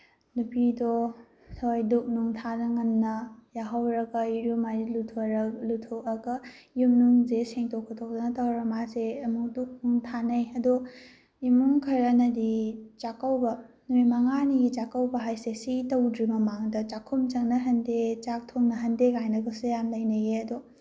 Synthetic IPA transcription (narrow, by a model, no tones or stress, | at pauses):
nupido | tʰojduk̚nuŋtʰanɐŋɐnːɐjaɦawɾɐɡɐiɾumajilutʰoɾlutʰokɐɡɐjumnuŋzeseŋtʰokʰːotʰok̚dɐnɐtɐwɾɐmaseɐmuk̚duk̚nuŋtʰanɐjɐdu | imuŋkʰɐɾɐnɐdit͡ʃakɐwbɐ | nuijmaŋaniɡit͡ʃakɐwbɐɦajsesitɐwdɾimɐmaŋdɐt͡ʃakʰumt͡ʃɐŋnɐɦɐndet͡ʃak̚tʰoŋnɐɦɐndekajnɐɡɐsejamlɐjnɐɡeɐdɔ